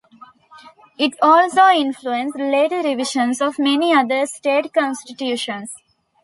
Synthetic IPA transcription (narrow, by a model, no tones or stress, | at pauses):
ɪʈɔːlsoːɪ̃nfluẽnsleːʈəɾɪʋiʃə̃nsɔʋmeniʌd̪əɾsʈeːʈkɔ̃nsʈiʈjuːʃə̃ns